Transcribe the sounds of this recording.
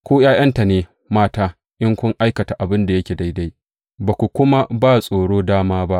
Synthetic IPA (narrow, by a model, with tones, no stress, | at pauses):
kʷoː˦jaː˦j̰ɐ˦nta˨neː˨ | maː˦taː˦ | ʔɪ˦ŋkʷʊ˦ŋʔa˦jkɐ˨ta˨ʔa˨bɪ˦nda˨jɐ˦kʲeː˨da˦jda˦j | baː˨kʷu˨kʷʊ˦ma˦baː˦sʼoː˨ɽoː˦daː˦maː˦ba˦ʔ